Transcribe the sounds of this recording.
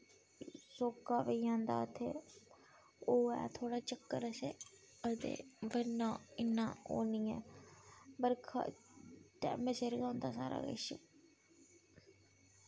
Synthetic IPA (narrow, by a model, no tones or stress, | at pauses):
soːkːaːʋeiãːnd̪a̰ːət̪ʰeː | oːɛ̰ːt̪ʰoːɽaːt͡ʃəkːəɾəseː | ət̪ḛːʋənãːɪnːãːoːnĩːɛː | bəɾkʰa̰ʈɛ̰ːməseːɾɡãːʊnd̪aːsa̰ːɾa̰ːɡə̰ʃə